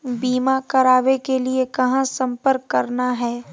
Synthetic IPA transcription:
biːmakɐɾaːʋekeliekɐɦãsɐ̃mpəɾkːɐɾnaɦɛː

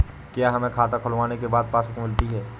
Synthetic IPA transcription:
kjaːɦɐmẽkʰaːt̪akʰʊlʋaːnekebaːd̪̚paːsəkmɪlt̪iɦɛː

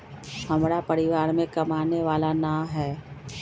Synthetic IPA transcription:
hɐmɾapɐɾɪʋaːɾmẽkɐmaːneʋaːlanaɦɛː

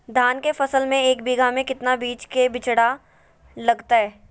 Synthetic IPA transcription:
d̪ʱaːnkefɐsəlmẽeːk̚biːɡʱamẽkɪt̪nabiːt͡ʃkebɪt͡ʃɽa | lɐɡt̪aɦɛː

